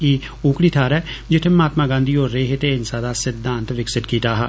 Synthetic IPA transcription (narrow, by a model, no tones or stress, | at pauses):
iː | õːkɽiːt̪ʰaːɾɛːd͡ʒɪt̪ʰːẽmaːt̪mãːɡãːnd̪iːɦoːɾːeːɦet̪eːɪnsãːd̪aːsɪd̪ʱːãːnt̪ʋɪksɪt̪kiːt̪aːɦa̰ː